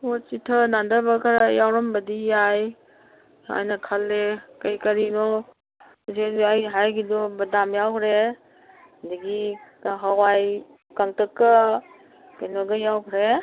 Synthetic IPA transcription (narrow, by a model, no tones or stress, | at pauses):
ot͡ʃitʰənandəbakʰaɾajawɾɔmbɐdijaj | a̰jnakʰalːekɐjkɐɾinɔ | zeɾajɦajɡidɔbɐdamjawkʰɾe | ndiɡiɦawaj | kaŋtəkːa | kenɔɡɐjawkʰɾe